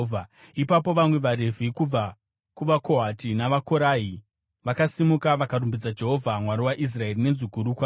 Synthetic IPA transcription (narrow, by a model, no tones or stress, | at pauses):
a | ipapo̞ʋamwe̞ʋaɾe̞vʱikub͡va | kuʋako̞ɦatinaʋako̞ɾaːi | ʋakasimukaʋakaɾumbid͡zad͡ʒe̞ɦo̞vʱamwaɾiwaʔis̬rae̞rine̞ziɡʱuɾukwaː